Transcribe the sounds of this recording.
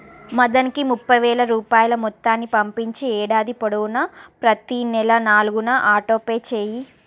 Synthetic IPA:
mɐd̪ɐnikimupːɐjʋɛːlɐɾuːpaːjɐlɐmɔt̪ːaːnːipɐmpiɲt͡ʃiɛːɽaːd̪ipɔɽɐwunɐpɾɐt̪inɛlɐnaːluɡunɐʔaːʈo̞ːpeːt͡ʃeːji

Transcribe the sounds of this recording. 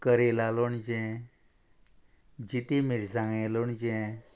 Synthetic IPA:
kəɾelaloɳd͡ʑɛ̃ | d͡ʑit̪imiɾsãŋɡɛ̃loɳd͡ʑɛ̃

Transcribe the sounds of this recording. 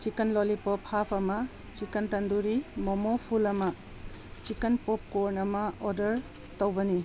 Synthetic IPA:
t͡ʃikɐnlolipopʰhapʰɐmɐ | t͡ʃikɐntɐnduɾimɔmopʰulɐmɐ | t͡ʃikɐnpop̚koɾnɐmɐoɾdɐɾ | towbɐni

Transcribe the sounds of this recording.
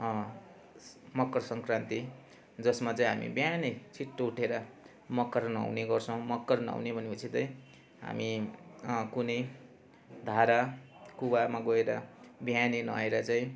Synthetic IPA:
mʌkːʌrsʌŋkrant̪i | d͡zʌsmat͡saĩɦamḭbjanet͡sʰiʈːouʈʰeɾʌ | mʌkːʌɾna̰wneɡʌrt͡sʰʌ̃w̃mʌkːʌrnʌ̰wnebʱʌnepʌt͡sʰit̪ʌĩ | ɦa̰mi | kunʌj | d̪ʱaɾa | kuwamaɡʌeɾʌ̰bjanenʌ̰eɾʌt͡sãĩ

